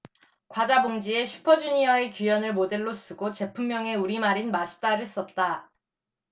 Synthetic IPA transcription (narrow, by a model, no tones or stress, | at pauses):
kwad͡ʑaboŋd͡ʑie̞ɕʰu̥pʰʌd͡ʑuɲiae̞kjujʌnɯɭmode̞ɭːos͈ɯɡot͡ɕe̞pʰumːjʌŋe̞uɾimaɾinmaɕʰi̥t͈aɾɯɭs͈ʌt̚t͈a